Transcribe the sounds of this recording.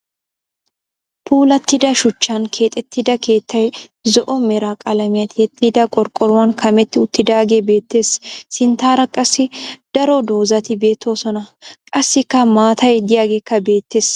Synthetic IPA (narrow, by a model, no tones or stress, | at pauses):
pʰuːlɐt̪ːɪd̪ɐʃʊt͡ʃːɐnkʰe̞ːt̪ʼɛt̪ːɪd̪ɐkʰe̞ːt̪ːɐjzɔʔɔmɛɾaːkʼɐlɐmɪjɐt̪ɪɛt̪ːɪd̪ɐkʼɔɾkʼːɔɾʊwɐnkʰɐmɛt̪ːɪʊt̪ːɪd̪aːɡe̞be̞ːt̪ːe̞ːsːɪnt̪aːɾɐkʼːɐsːɪd̪̥ɐɾɔd̪o̞ːzɐt̪ɪbe̞ːt̪ʰːo̞ːsɔnɐkʼɐsːɪkːɐmaːt̪ɐjd̪ɪjaːɡeːkːɐbe̞ːt̪ːe̞ːs